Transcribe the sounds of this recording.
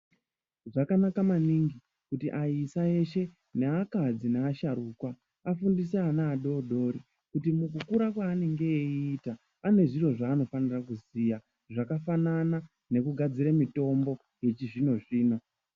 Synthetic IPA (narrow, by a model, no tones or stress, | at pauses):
ʐakanakamaniŋɡi | kutiʔaisae̞ʃe̞ | neakad͡zineaʃaɾuːkwa | afundis̬eanaːɗo̞ɗo̞ɾi | kutimukukuɾakwaːne̞ŋɡe̞eiːta | ane̞ʐiro̞ʐaːno̞fanirakuziːja | ʐakafanana | ne̞kuɡʱad͡ziɾemito̞mbo̞ | je̞t͡ʃiʐino̞ʐiːno̞